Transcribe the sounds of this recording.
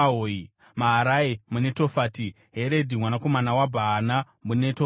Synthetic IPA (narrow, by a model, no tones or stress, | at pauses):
ɦoːi | maɦaɾaemune̞to̞faːti | ɦe̞ɾe̞dʱimwanako̞manawabʱaɦːna | muneto